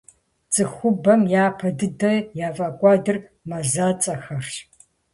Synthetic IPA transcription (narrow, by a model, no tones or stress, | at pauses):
t͡sʼɨxʷʊbɐmjaːpʰɐdɨdɐjaːfʼɐkʷʼɑːdɨr | mɐzaːt͡sʼɐxɐrʃ